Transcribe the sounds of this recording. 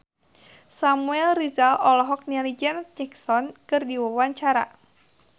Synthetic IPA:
samuɛlrizalɔlɔɦɔk̚nialid͡ʒɛnɲɛksɔnkɨrdiwəwaɲt͡ʃaɾa̰

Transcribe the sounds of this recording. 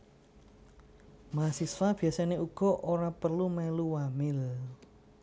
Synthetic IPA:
masisfab̥i̤asaneʔuɡ̥ɔ̤ʔoɾapərlumɛluwamɪl

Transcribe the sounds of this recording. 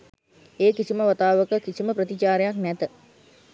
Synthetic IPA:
eːkisiməʋat̪aːʋəkəkisiməprət̪it͡ʃaːɾejaknɛt̪ə

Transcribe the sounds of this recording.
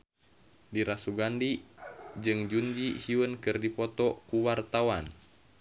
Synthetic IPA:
diɾasuɡandid͡ʒɨŋd͡ʒuɲd͡ʒihiwənkɨrdipɔt̪ɔkuwart̪awan

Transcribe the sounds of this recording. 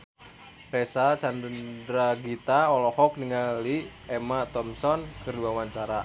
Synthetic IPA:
rɛsat͡ʃandəndɾaɡit̪aɔlɔhɔk̚niŋaliɛmat̪ɔmsɔnkɨrdiwawaɲt͡ʃaɾa

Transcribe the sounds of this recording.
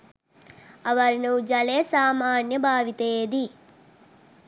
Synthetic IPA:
ɐʋɐɾnuːd͡ʒɐleːsaːmaːnjəbʱaːʋit̪ɐed̪i

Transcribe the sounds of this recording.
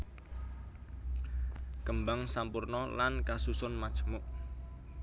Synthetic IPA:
kəmbaŋsampurnɔlankasusʊnmḁt͡ʃə̥mʊʔ

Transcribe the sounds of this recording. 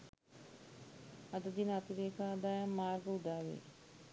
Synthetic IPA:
ɐd̪əd̪iːnaːt̪iɾeːkʰãːɐd̪aːjãːmaːɾɡəɦʊd̪aːʋḛː

